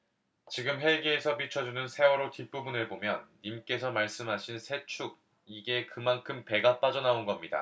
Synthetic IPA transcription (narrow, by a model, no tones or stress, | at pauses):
t͡ɕiɡɯmɦe̞ɡeːsʰʌpit͡ɕʰʌd͡ʑunɯnsʰe̞wʌɾotip͈ubunɯɭbomjʌnːimk͈e̞sʰʌmaɭs͈ɯmɦaɕʰinsʰe̞t͡ɕʰuɡ̚ | iɡe̞kɯmankʰɯmpe̞ɡap͈ad͡ʑʌnaonɡʌmɲida̰